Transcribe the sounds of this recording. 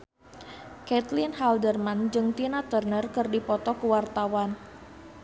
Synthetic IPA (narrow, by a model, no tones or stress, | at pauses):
kɛt̪linɦaldərmand͡ʒɨŋt̪inat̪ərnərkɨrdipɔt̪ɔkəwart̪awan